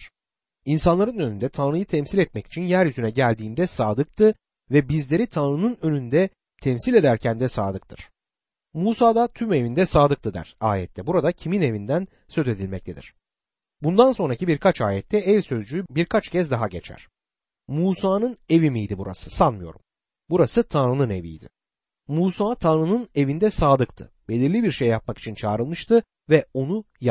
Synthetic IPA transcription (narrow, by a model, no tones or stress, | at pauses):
ɾ̥ | insanlˠaɾɯnø̞nynd̪ɛt̪ʰanɾɯjɯt̪ʰɛmsilʲɛt̪̚mɛci̥t͡ʃʰinjæɾjyzynɛɟælʲd̪iːnd̪ɛsaːd̪ɯk̚t̪ʰɯ | vɛbizlʲe̞ɾit̪ʰanɾɯnɯnø̞nynd̪ɛ | t̪ʰɛmsilʲe̞d̪æɾcʰænd̪ɛsa̰ːd̪ɯk̚t̪ʰɯɾ̥ | muːsaːd̪at̪ʰyme̞vind̪ɛsaːd̪ɯk̚t̪ʰɯd̪æ̰ɾ̥a̰ːjɛ̰t̪ʰːɛbuɾad̪acʰimine̞vind̪æn | sø̞ze̞d̪ilʲmɛc̚t̪ʰe̞d̪ḭɾ̥ | bund̪anso̞nɾacibiɾkʰat͡ʃaːjɛt̪ʰːɛɛvʲsø̞zd͡ʒyjybiɾkʰat͡ʃcʰɛzd̪aɦaɟet͡ʃʰæ̰ɾ̥ | muːsaːnɯne̞vimijd̪ibuɾa̰sɯ̥sanmɯjo̞ɾum | buɾasɯt̪ʰanɾɯnɯne̞vḭjd̪ɪ̰ | muːsaːt̪ʰanɾɯnɯne̞vind̪ɛsaːd̪ɯk̚t̪ʰɯ̰ | b̥e̞lʲiɾlʲibiɾʃejːap̚maki̥t͡ʃʰint͡ʃʰaːɾɯlˠmɯʃt̪ʰɯ | vɛo̞nu | ja